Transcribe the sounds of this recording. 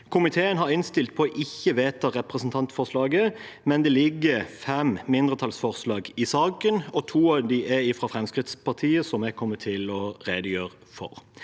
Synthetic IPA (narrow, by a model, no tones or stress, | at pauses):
kʰʊmɪt̪ʰeːənɦɑɾɪnst̪ɪlt̪̚pʰɔʔɪçːəʋeːt̪ʰɑʁɛpʁəsənt̪ʰɑnt̪fɔʁslɑːɡə | mɛnd̪ɛːlɪɡːəfɛmmɪnd̪ʁət̪ʰɑlsfɔʁslɑːɡɪsɑːkənɔt̪ʰuːɑʋd̪iʔɛɪfɾɑfɾɛmskɾɪt̪spʰɑʁt̪ʰiːəsɔmɛɡkʰɔmːət̪ʰɪlɔʁeːd̪əjøːʁə | fɔ̰ʁ